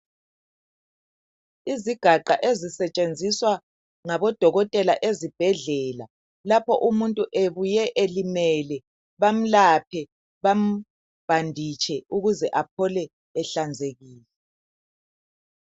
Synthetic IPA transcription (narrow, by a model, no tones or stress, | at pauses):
iziɡ̥ʱaǃaʔezisɛt͡ʃʼend͡zʱiswa | ŋaβɔd̥ʱɔɣɔtʼɛlaʔezib̥ʱɛɮɛːla | lapʰɔʔumuntʼuʔeβujɛʔelimɛlɛ | βam̩lapʰɛ | βam̩ | b̥ʱandʱit͡ʃʰɛuɣuzɛʔap̚ʰɔlɛː | ɬand͡zʱeɣiːlɛ